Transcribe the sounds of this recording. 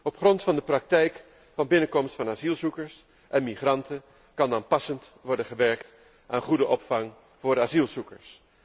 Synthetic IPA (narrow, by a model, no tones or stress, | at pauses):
ɔpχrɔntfɑndəprɑk̚tɛjk | fɑnbɪnəkɔmstfɑnaːzilˠzukəɹs | ʔɛnmiχrɑntə | kɑnaːnpɑsəntʋɔɹdənχəʋɛɹkt | ʔaːnχudəʔɔpfɑŋ | v̥ʊːɾaːzilˠzukəɹs